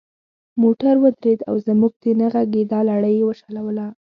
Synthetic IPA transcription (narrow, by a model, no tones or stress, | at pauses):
moʈaɾwəd̪ɾed̪a̰wzəmuɡ̚t̪enaɣaɡed̪ɑlaɽəjewəʃalawəla